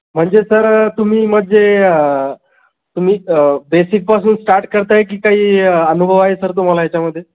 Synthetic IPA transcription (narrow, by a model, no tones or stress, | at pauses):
m̤əɳd͡zesəɾt̪um̤iːm̤əd̪d͡zeə | t̪um̤iːbesik̚pasuːnsʈaɾʈkəɾt̪aɦek̬iːkaɦiːənubʱəʋaɦesəɾt̪̬um̤alajat͡ɕjaməd̪ʱːje